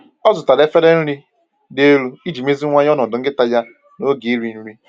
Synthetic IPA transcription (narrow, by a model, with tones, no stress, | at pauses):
ɔ˦zʊ˨ta˨le˦fe˦ɾe˦n̩˦ɾi˦ | de˦ɾu˦i˦d͡ʒi˨me˦zi˦ŋʷa˦ɲ˦ɔ˦nɔ˨dʊ˨˦ŋ̩˦ɡɪ˦ta˦ja˦ | no˦ɡi˨i˦ɾi˨n̩˦ɾi˦